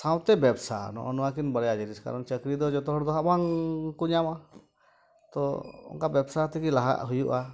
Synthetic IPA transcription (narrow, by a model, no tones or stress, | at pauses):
saw̃t̪ɛbɛbsa̰nɔ̰ʔɔnɔwak̬inbəɽɛad͡ʒiɾiska̰ɾɔnt͡ʃəkɾid̪ɔd͡ʒɔt̪ɔɦɔɾd̪ɔɦabaŋkuɲama | t̪ɔɔ̰ŋkabɛbsat̪ikilaɦa̰ʔɦujuʔa